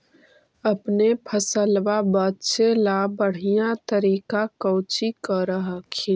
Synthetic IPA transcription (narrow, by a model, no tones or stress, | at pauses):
əpnepʰəsəlʋabətːt͡ʃelabəɽ̤ijat̪əɾikakəʊt͡ʃikəɾəɦəkʰi